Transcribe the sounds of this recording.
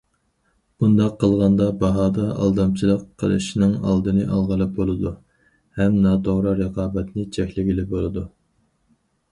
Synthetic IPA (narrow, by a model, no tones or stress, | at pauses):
b̥und̪ɑqʰːəlˠʁɑnd̪ɑbɑɦɑːd̪ɑʔɑ̰lˠd̪ɑmt͡ʃʰilˠəqʰːəlˠɨ̰ʃnɨŋɑ̰lˠd̪ɨnɨʔɑlˠʁəlˠɨp̚bolˠɨd̪u | hɛmnɑːt̪ʰoʁɾɨɾəqɑːbɛt̪nɨt͡ʃʰɛkʲlɪɡʲilɪbolˠɨd̪u